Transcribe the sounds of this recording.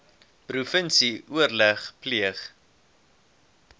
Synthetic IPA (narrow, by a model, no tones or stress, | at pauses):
prufənsiʔuərləχpliəχ